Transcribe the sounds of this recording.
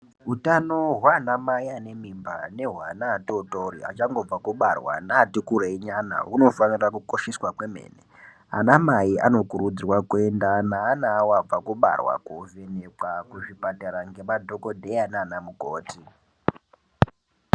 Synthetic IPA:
utanoɦwanamaiane̞mimba̰ne̞ɦwa̰naːtotoria̰t͡ʃaŋɡo̞b͡vakuɓarwa̰natikuɾeiɲana̰ɦuno̞fanirakuko̞ʃeswakwe̞mḛːne | a̰namaia̰no̞kuɾud͡zirwakue̞ndanaːnaːwab͡vakuɓa̰rwa̰kovenekwakuʐipataɾaŋɡe̞madʱoko̞dʱeanaːnamuɡʱoːti

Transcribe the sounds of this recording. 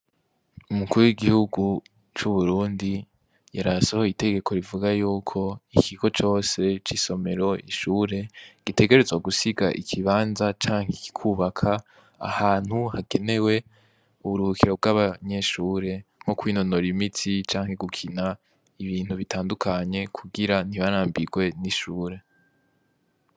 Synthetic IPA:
umukuɾuwiɡihuɡu | t͡ʃuβuɾuːndi | jaɾasaho̞ite̞ɡe̞kʰo̞ɾivuɡajuːkʰo̞ikʰiɡo̞t͡ʃo̞ːse̞t͡ʃiːso̞me̞ɾo̞ḭʃuːɾe̞ɡ̥ite̞ɡe̞ɾezwaɡusiɡaʔikʰiβaːnzat͡ʃaːŋ̥heki̥kʰuβakʰa | a̰haːn̥huhaɡ̥e̞ne̞we̞ | uβuɾuhukiɾo̞b̚ɡaːβaɲe̞ʃuːɾe̞ŋ̥hokwiːno̞no̞ɾimitʰit͡ʃaːŋhe̞ɡukʰina | iβiːnhuβitʰaːndukʰaɲe̞kʰuɡiɾan̥iβaɾaːmbiɡwe̞niʃuːɾe̞

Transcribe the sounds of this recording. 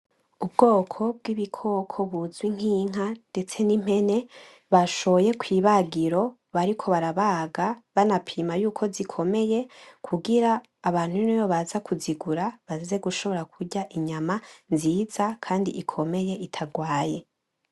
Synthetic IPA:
ub̚ɡo̞ːkʰo̞b̚ɡiβikʰo̞kʰo̞βuzwiŋ̥hiːŋ̥ɦande̞t͡se̞nim̥he̞ne̞ | βaʃo̞je̞kwiːβaɡiɾo̞ | βaɾikʰo̞βaɾaβaɡaβanapʰiːmajuːkʰo̞zikʰo̞me̞je̞kʰuɡiɾaː | βaːn̥huinojoβazakʰuziɡuɾaβazzeɡuʃo̞βo̞ɾakʰuɟaʔiɲamanziːzakʰaːndḭʔikʰo̞me̞je̞ʔitʰaɡwaːje̞

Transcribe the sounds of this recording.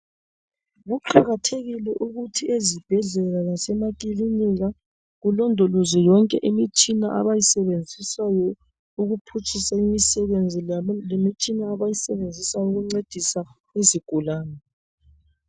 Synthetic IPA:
ɣuǃaɣatʰeɣilɛʔuɣutʰiezib̥ʱɛɮɛlalasɛmakʼiliniɣa | ɣulɔndʱɔlɔzɛjɔŋkʼɛʔimit͡ʃʼinaʔa̰βajisɛβend͡zʱisajɔ | uɣupʰut͡ʃʰʼisaimisɛβend͡zʱilemit͡ʃʼinaːβajisɛβend͡zʱisauɣuŋ͡ǀed̥ʱisa | iziɡ̥ʱulaːnɛ

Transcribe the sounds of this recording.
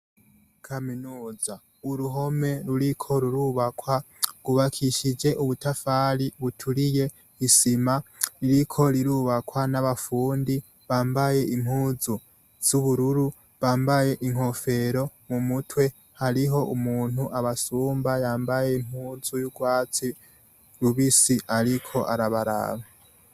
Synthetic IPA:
kʰaminuːza | uɾuɦo̞me̞ɾuɾikʰo̞ɾuɾuβakwa | ɡ̥uβakʰiʃid͡ʒe̞ʔuβutafaːɾiβutʰuɾije̞ | isimaɾiɾikʰo̞ɾiɾuːβakwanaβafuːndi | βaːmbaje̞ʔim̥huːzu | z̥uβuɾuɾu | βaːmbaje̞ʔiŋ̥ho̞fe̞ɾo̞mumutwe̞ | haɾiɦo̞ʔumuːn̥uʔaβasuːmbajaːmbaje̞im̥huːzujuɡwaːt͡si | ɾuβisiaɾikʰo̞ʔaɾaβaɾa̰βa

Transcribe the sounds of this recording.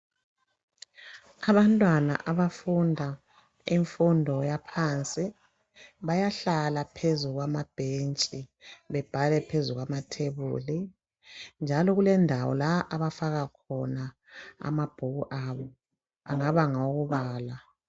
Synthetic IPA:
aβantʼwana̰ʔaβafundʱa | iɱfundʱɔjapʰant͡sʼi | βajaɬalapʰezuɣwamab̥ʱent͡ʃʼiβɛb̥ʱalɛpʰezuɣwamatʰeβṵːli | nd͡ʒʱalɔɣulɛndʱawɔ̰laʔaβafaɣakʰɔna | a̰mab̥ʱuɣuʔaβɔ | a̰ŋaβaŋauɣuβaːla

